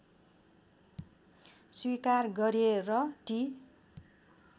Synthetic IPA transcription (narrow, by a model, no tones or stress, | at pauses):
swikarɡʌɾerʌʈi